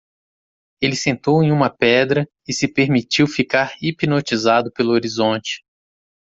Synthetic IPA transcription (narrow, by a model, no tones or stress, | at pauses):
elɪsẽnt̪owẽj̃ũmɐpɛd̪ɾɐ | ɪsɪpeɾmit͡ʃiwfikaɾipinot͡ʃizad̪ʊpelʊoɾizõnt͡ʃɪ̥